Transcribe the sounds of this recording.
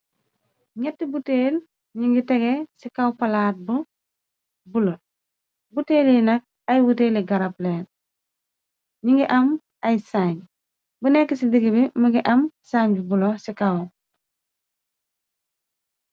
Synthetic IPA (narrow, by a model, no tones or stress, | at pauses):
ɲɛtːibuteːl | ɲiŋɡitɛɡesikawpɐlaːt̚bu | bulo | buteːljinɐk̚ | ɐjwuteːliɡɐɾɐpleːn | ɲiŋɡiʔɐm | ɐjsaɲ | bunɛkːisidiɡibimɐɡiʔɐmsaɲbibulosikaw